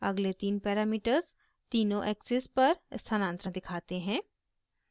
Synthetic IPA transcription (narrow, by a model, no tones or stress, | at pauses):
ɐɡlet̪iːnpɛːɾaːmiːʈəɾz | t̪iːnõʔɛːksɪspɐɾst̪ʰanãːnt̪ɾə̃d̪ɪkʰaːt̪eɦɛ̃ː